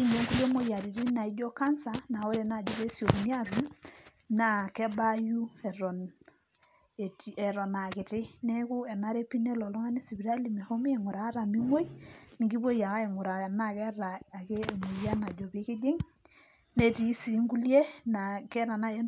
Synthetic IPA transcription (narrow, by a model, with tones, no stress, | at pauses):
i˦ne˨˦ŋɡu˦lje˦mo˦ja˨ɾi˨ɾi˦na˨i˦dɔ˦ka˦nsa˨na˨o˦ɾe˨na˨d͡ʒo˦βe˦sjo˨knja˦ɾu˨˦ | na˦kɛ˦ba˦ju˦ɛ˨ɾɔ˨n˨ | tɛ˨ɾɔ˨na˨kɪ˨tɪ˦nɛ˦kʊ˦ɛ˨na˦ɾe˦pi˦nɛ˦lɔ˨lɔ˦ŋa˦ne˦si˨bi˨ɾa˦li˨me˨ho˦mi˦ɛ˨ŋʊ˨ɾaː˨˦ɾa˨mi˦ŋwo˦i˦ni˨ŋɡi˦bo˦ja˨ka˦e˨ŋʊ˨ɾa˨na˦˨kɛ˦ɾa˨a˨ke˦˨mu˨jja˦na˨d͡ʒɔ˨ke˦ke˦d͡ʒe˦ŋ | nɛ˦˨ti˨˦si˨˦ŋɡu˦lje˦na˨kɛ˦ɾa˨na˦e˦